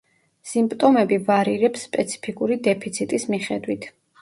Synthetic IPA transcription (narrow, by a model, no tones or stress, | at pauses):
simpʼt̪ʼɔmɛbivaɾiɾɛpsːpʼɛt̪sʰi̥pʰikʼuɾid̪ɛpʰit̪sʰit̪ʼismiχɛd̪wit̪ʰ